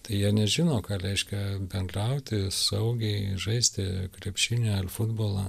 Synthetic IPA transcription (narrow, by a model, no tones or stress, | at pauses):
t̪ɐɪjiɛnʲɛʒʲɪnoːkɑːɾʲɛɪʃʲkʲɛbʲɛnd̪rɐʊt̪ʲɪsɐʊɡʲɛɪʒɐɪsʲt̪ʲɪkɾʲɛpʲʃʲɪnʲoɐlfʊd̪boːlˠɑ